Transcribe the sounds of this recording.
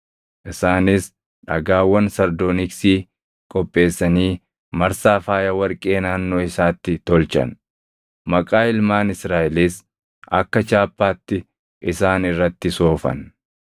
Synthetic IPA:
ʔɪsaːnɪs | ᶑɐɡaːwːɐnsɐɾd̪oːnɪksiː | kʼɔpʼːe̞ːsːɐniː | mɐɾsaːfaːjɐwɐɾkʼe̞ːnaːnːo̞ːɪsaːt̪ːɪt̪ɔlt͡ʃɐ̰n | mɐkʼaːɪlmaːnɪsɾaːʔɪliːs | ʔɐkːɐt͡ʃaːpːaːt̪ːɪ | ʔɪsaːnɪrːɐt̪ːɪso̞ːfɐ̰n

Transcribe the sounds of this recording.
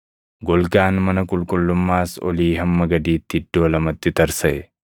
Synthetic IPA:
ɡɔlkaːnmɐnɐkʼʊlkʼʊlːʊmːaːsɔ̰liːɦɐmːɐɡɐd̪iːt̪ːɪd̪ːoːlɐmɐt̪ːɪt̪ɐɾsɐʔɛ

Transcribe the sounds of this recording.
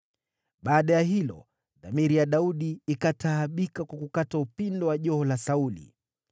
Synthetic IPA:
ɓaːɗajaɦilɔ̰ | ðamiɾijaɗauɗiːkataːɓikakwakukataupindɔwaʄɔhɔlasaulḭ

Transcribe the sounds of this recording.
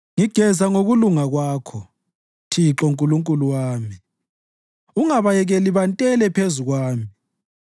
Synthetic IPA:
ŋiɡ̥ʱɛzaŋoɣuluŋaɣwaːkʰɔ | tʰiǁɔŋkʼuluŋkʼuluwaːmi | uŋaβajɛɣɛliβantʼɛlɛpʰezuɣwaːmi

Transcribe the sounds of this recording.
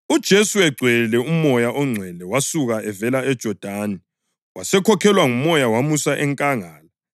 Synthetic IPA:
ud̥ʒ̥ʱesuɛɡ͡ǀʱwɛlɛumɔjaʔɔŋ͡ǀʱwɛlɛwasuɣaɛvɛlaɛd̥ʒ̥ʱɔd̥ʱani | wasɛkʰɔkʰɛlwaŋumɔjawamusaʔɛŋkʼaŋaːla

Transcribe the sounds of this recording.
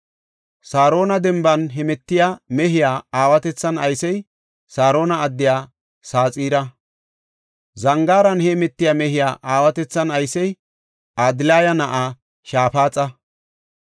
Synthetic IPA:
saːɾo̞ːnɐd̪ɛmbɐnɦɛmɛt̪ːɪjaːmɛɦɪjaːaːwɐt̪ɛt͡sːɐnɐjsɛj | saːɾo̞ːnɐːd̪ːɪjaː | saːt͡sʼiːɾɐ | zɐŋɡaːɾɐnhɛmɛt̪ːɪjaːmɛɦɪjaːʔaːwɐt̪ɛt͡sːɐnɐjsɛj | ad̪ɪlaːjɐnɐʔa | ʃaːpaːt͡sʼɐ

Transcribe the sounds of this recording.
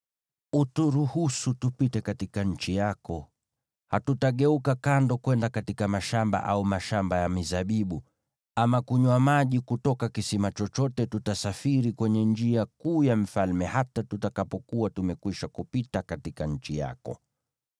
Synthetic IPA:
utuɾuhusutupitɛkatikaɲ̩t͡ʃijakɔ | hatutaɠɛukakandɔkwɛndakatikamaʃamba̰ʔaumaʃambajamizaɓiɓu | amakuɲwamaʄikutɔkakisimat͡ʃɔt͡ʃɔtɛtutasafiɾikwɛɲɛnd͡ʒiakuːjam̩falmɛhatatutakapɔkuatumɛkwiʃakupitakatikaɲ̩t͡ʃija̰kɔ̰

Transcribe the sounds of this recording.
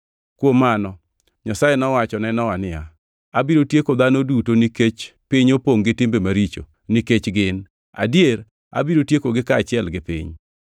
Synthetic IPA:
kwomːanɔ | ɲasajenɔwat͡ʃɔnɛnɔwanɪja | abiɾotjekod̪anodutoniket͡ʃpɪɲopoŋɡɪtɪmbemaɾit͡ʃo̰ | niket͡ʃɡɪn | a̰djeɾ | a̰biɾotjekoɡɪkaːt͡ʃɪɛlɡɪpɪ̰ɲ

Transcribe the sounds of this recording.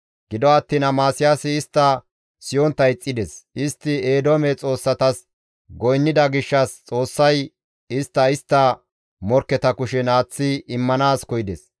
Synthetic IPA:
ɡ̥ɪd̪ɔɐt̪ːiːnɐmaːsɪjaːsɪɪst̪ːɐ | sɪjɔnt̪ːɐjt͡sʼːɪd̪ɛsɪst̪ːɪeːd̪omɛt͡sʼo̞ːsːɐt̪ɐs | ɡɔjnːɪd̪ɐɡɪʃːɐst͡sʼo̞ːsːɐj | ɪst̪ːɐɪst̪ːɐ | mɔɾkːɛt̪ɐkʊʃɛnaːt͡sːɪɪmːɐnaːskɔjɪd̪ɛs

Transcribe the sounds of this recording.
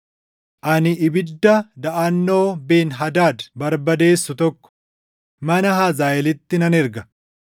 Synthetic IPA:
ʔɐnɪɪbɪd̪ːɐd̪ɐʔɐnːo̞ːbe̞ːnɦɐd̪aːd̪bɐɾbɐd̪e̞ːsːʊt̪ɔkːɔ̥ | mɐnɐɦazaːʔɛlɪt̪ːɪnɐnɛɾɡɐ

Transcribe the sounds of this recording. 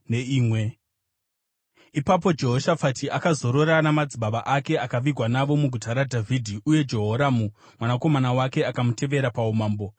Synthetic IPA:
neiːmwe | ipap̬o̞d͡ʒe̞ɦo̞ʃafatʰiʔakazo̞ɾo̞ɾanamad͡ziɓaʋaʔake̞akaʋiɡʱwanaʋo̞muɡʱutaɾadʱavʱidʱiʔuje̞d͡ʒo̞ɦoɾamu | mwanako̞manawake̞akamute̞ʋe̞ɾapaumaːmbo̞

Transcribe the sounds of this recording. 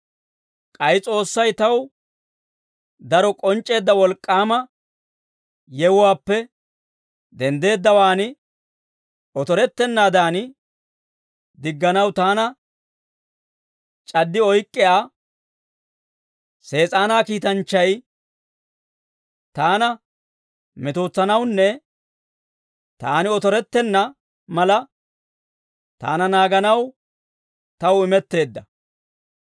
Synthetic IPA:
kʼɐjt͡sʼo̞ːsːɐjt̪ɐw | d̪ɐɾɔkʼɔnt͡ʃʼːe̞ːd̪ːɐwɔlkʼːaːmɐ | jɛwʊwaːpːɛ | d̪ɛnd̪e̞ːd̪ːɐwaːn | ɔt̪ɔɾɛt̪ːɛnːaːd̪aːn | d̪ɪɡːɐnɐwt̪aːnɐ | t͡ʃʼɐd̪ːɪɔjkʼːɪjaː | se̞ːt͡sʼaːnaːkiːt̪ɐnt͡ʃːɐj | t̪aːnɐ | mɛt̪o̞ːt͡sːɐnɐwnːɛ | t̪aːnɪɔt̪ɔɾɛt̪ːɛnːɐ | mɐlɐ | t̪a̰ːnɐnaːɡɐnɐw | t̪ɐwɪmɛt̪ːe̞ːd̪ːɐ

